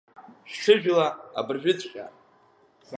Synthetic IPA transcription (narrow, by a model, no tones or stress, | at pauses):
ʃᶣʈ͡ʂʰɨʒᶣlaːbɨrʒᶣʏt͡sʰʼqʲʼa̰